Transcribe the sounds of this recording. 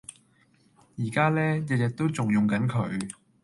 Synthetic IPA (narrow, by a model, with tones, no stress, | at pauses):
jiː˨˩kaː˥lɛː˥jɐ˨˧t̚jɛ˨k̚t̪o˥wt͡sʊ˨ŋjʊ˨ŋkɐ˨˥nkʰɵ̰˨˧˥ɥ